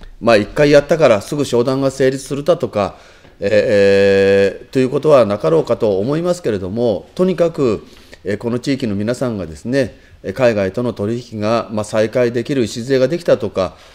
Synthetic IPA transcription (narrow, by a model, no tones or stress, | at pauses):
maikːaijat̪ːakaɾasɨɡɯ̟ɕo̞ːd̪ãŋɡase̞ːɾʲit͡sɨ̥sɨɾɯ̟t̪at̪o̞ka | e | t̪o̞jɯ̟ːko̞t̪o̞β̞anakaɾo̞ːkat̪o̞ːmo̞imasɨ̥ke̞ɾe̞d̪o̞mo̞t̪o̞ɲ̟ikakɯ̟ | eko̞no̞t͡ɕiːkʲino̞mʲinasãŋɡad̪e̞sɨne̞ | kaiɡait̪o̞no̞t̪o̞ɾʲiçi̥kʲiɡamasaikaid̪e̞kʲiɾɯ̟iɕizɨeɡad̪e̞kʲi̥t̪at̪o̞ka